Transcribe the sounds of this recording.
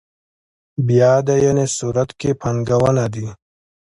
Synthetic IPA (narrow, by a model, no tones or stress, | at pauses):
bijaːd̪ajenesuɾɐt̪kepʰɐŋɡawanad̪i